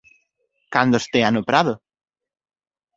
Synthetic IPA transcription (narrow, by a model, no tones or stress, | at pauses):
kand̪ost̪eanopɾaðʊ